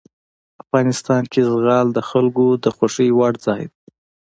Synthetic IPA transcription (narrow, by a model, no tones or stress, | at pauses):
afɣɑnɪst̪ɑnkezɣɑld̪əxalɡod̪əxoʂəjwaɽzɑjd̪̚